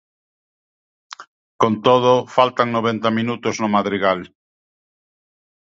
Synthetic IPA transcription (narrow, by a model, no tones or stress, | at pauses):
kont̪oð̞ʊfalt̪aŋnoβ̞ent̪aminut̪ʊznʊmaðɾiɣal